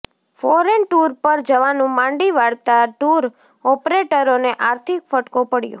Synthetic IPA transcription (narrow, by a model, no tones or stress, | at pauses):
fɔɾenʈuɾpəɾd͡ʒəʋanũmãɳɖiʋaɽt̪aʈuɾ | ɔpɾeʈəɾoneʔaɾt̪ʰikfəʈkopəɽjo̰